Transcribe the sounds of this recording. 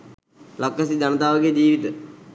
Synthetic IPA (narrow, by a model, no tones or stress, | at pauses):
lakːəsid̪anət̪aːʋəɡejd͡ʑiːʋit̪ə